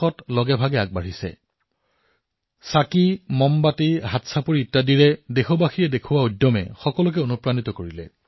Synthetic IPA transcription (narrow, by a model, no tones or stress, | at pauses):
ɔtlɔɡɛbʱaɡɛaɡ̚baɹisɛ̰ | sakimɔmbatiɦatsapoɹiːtːadiɹɛdexɔbaxiɹɛdekʰʊwaojdɔmɛ̰xɔkɔlʊk̬ɛonupɹanitɔkoɹilɛ̰